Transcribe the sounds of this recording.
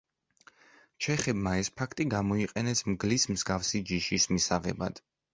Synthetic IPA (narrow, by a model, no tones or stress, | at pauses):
t͡ʃʰɛχɛbmaɛspʰakʰt̪ʼiɡamɔiqʼɛnɛsmɡlismzɡafsid͡ʒiʃismisaʁɛ̰ba̰d̪̥